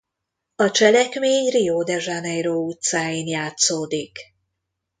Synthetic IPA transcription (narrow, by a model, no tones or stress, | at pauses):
ɒt͡ʃɛlɛkmeːɲrijoːd̪ɛʒanɛjɾoːut̪saːjiːnjaːt̪soːd̪ik